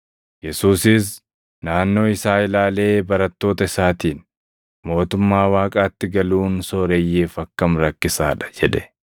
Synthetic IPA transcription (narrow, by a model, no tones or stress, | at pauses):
jɛsuːsɪs̬ | naːnːo̞ːɪsaːɪlaːle̞ːbɐɾɐt̪ːo̞ːt̪ɐɪsaːt̪iːn | mo̞ːt̪ʊmːaːwaːkʼaːt̪ːɪɡɐluːnsoːɾejːeːfɐkːɐmɾɐkːɪsa̰ːᶑɐ̥d͡ʒɛᶑɛ̥